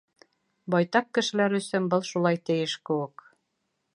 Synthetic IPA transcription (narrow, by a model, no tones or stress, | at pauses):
bɑjt̪ɑq̚kɘ̆ʃɘ̆læɾɵ̆sɵnbɤlˠʃulˠɑjt̪ɘ̆jɘʃkɘ̆wɘk